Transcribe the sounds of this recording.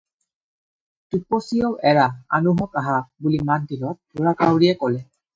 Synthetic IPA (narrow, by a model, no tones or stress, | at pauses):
tupɔsijɔwʔɛɹaa̰nuɦɔkaɦabulimandilɔt̚duɹakawɹiɛkɔlɛ